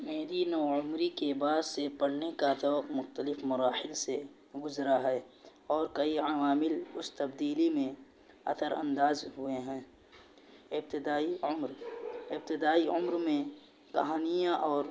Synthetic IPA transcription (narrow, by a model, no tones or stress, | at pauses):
meːd̪inɔːʊmɾikebaːd̪sepɐɽnekat̪ɔːqmʊxt̪əlɪfmʊɾaːhɪlse | ɡʊzɾaɦɛː | ɔːɾkɐiaʋaːmɪlʊst̪ɐbd̪iːlimẽ | ɐ̰t̪ʰəɾə̰̃nd̪aːzɦʊeɦɛ̃ː | ɪb̚t̪ɪd̪aːimɾɪb̚t̪ɪd̪aːiʊmɾmẽ | kɐɦaːnijãʔɔːɾ